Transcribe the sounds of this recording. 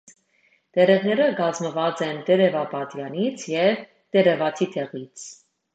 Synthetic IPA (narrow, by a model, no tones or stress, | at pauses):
d̪̥ɛɾɛʁnɛɾəɡɑzməvɑt͡sɛnt̪ɛɾɛvɑpɑt̪jɑnit͡sʰjɛv | t̪ɛɾɛvɑt̪ʰit̪ʰɛʁit͡sʰ